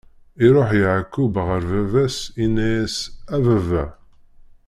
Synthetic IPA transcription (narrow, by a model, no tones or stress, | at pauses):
iɾˤoħjəʕakːubʁəɾvævæsinæjæsævævæ